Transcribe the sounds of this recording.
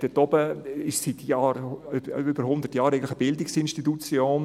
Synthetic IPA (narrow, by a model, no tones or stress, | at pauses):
d̥ɛtɔb̥əɪʃsit̪ʰjɑːɾ | ybəɾhʊnd̪ətjɑːɾɛɪn̩tlɪxəbɪldɪksɪnʃtitut͡sjoːn